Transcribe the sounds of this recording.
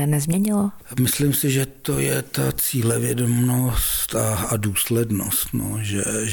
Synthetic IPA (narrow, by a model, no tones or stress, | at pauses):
nɛzmɲɛɲɪlomɪslimsɪʒɛt̪o̞jɛt̪at͡siːlɛvjɛdomnost̪aaduːslɛdno̰st̪no̰ʒɛ